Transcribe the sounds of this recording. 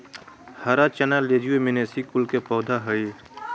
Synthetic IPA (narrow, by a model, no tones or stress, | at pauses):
hɐɾat͡ʃɐnaled͡ʒuemɪnesikʊlkepɔːd̪ʱaɦəi